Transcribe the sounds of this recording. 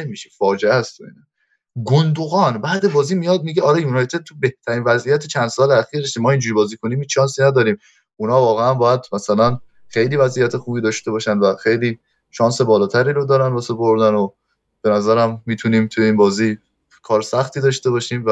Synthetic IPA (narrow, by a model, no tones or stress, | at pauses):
emiːʃe̥fɒːd͡ʒeæst̪ʰoḭːnɒ | ɡond̪oɣɒːnbæːd̪e̞bɒːziːmijɒd̪̚miɟeɒːɾejunɒjt̪ʰe̞d̪̚t̪ʰube̞ht̪ʰæɾiːnvæzʔijæt̪ʰet͡ʃʰænd̪sɒːleæxiːɾdeʃimɒːind͡ʒuɾibɒːziːkʰoniːmhiːt͡ʃʃɒːnsiːnæd̪ɒːɾiːm | ʔunhɒːvɒːɣeænbɒːjæd̪mæsælæn | xe̞jliːvæzʔiːjæt̪ʰexuːbiːd̪ɒːʃt̪e̞bɒːʃænvæxe̞jliː | ʃɒːnse̞bɒːlɒːt̪ʰæɾiːɾod̪ɒːɾænvɒsepoɾd̪æno | b̥e̞næzæɾæmːiːt̪ʰuniːmt̪ʰujeiːnbɒːziː | kʰɒːɾsæxt̪iːd̪ɒːʃt̪eβɒʃiːmvæ